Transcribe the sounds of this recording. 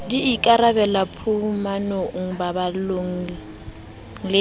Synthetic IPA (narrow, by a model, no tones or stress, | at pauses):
diːkʼaɾabɛlapʰumanoŋ̩babaloŋ̩l | ŋlɪ